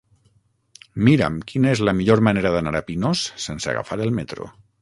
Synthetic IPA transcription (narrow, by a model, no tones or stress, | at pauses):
miɾə̰mkinaezlamiʎoɾmaneɾaðanaɾapinosːensea̰ɣa̰faɾelˠmet̪ɾo̰